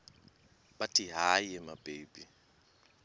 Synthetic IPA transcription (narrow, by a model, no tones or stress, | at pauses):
batʼiɦaiɛmab̥eːbi